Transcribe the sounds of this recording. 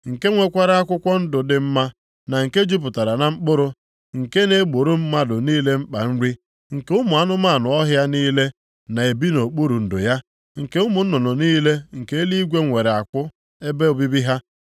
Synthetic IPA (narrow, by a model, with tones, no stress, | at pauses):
ŋ̩˨ke˦ŋʷe˦kʷa˦ɾa˦a˦kʷʊ˦kʷɔ˦n̩˦dʊ˨dɪ˨m̩˦ma˦ | na˨ŋ̩˨ke˦d͡ʒu˦p̬ʊ˨ta˨ɾa˨na˨m̩˦k͡pʊ˦ɾʊ˦ | ŋ̩˨ke˦ne˦ɡ͡bo˨ɾo˦m̩˦ma˦dʊ˨niː˦le˦m̩˦k͡pa̰˨n̩˦ɾi˦ | ŋ̩˨ke˦ʊ˦mʊ˨a˦nʊ˦ma˦˨nʊ˨ɔ˦ɦja˦niː˦le˦ | na˨e˨bi˦no˨k͡pu˦ɾu˨n̩˨dʊ̰˨ja˦ | ŋ̩˨ke˦ʊ˦mʊ˨n̩˦nʊ˨nɔ˨niː˦le˦ŋ̩˨ke˦e˦li˦i˦ɡʷe˦ŋʷe˨ɾe˨a˨kʷʊ˦ | e˦be˦o˨bi˦bi˦ɦa˦